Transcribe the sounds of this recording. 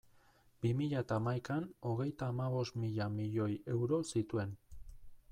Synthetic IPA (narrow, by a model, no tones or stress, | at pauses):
b̥imiʎaet̪aːmajkano̞ɣ̞e̞jt̪aːmaβ̞o̞st̪miʎamiʎo̞je̞wɾo̞sit̪ue̞n